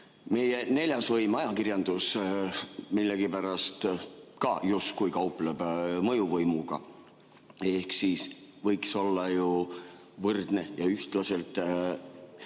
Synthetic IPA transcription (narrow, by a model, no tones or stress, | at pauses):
me̞je̞ne̞lʲjɑsvɤjmɑjɑkirjɑnd̪̥us | milːeɡipæɾɑst̪kɑjust̪̚kujkɑuplebmɤjuvɤjmuɡ̥ɑ̰ | e̞hksisvɤjkso̞lːɑju | vɤrd̪̥ne̞jɑyht̪lɑse̞lt̪ˑ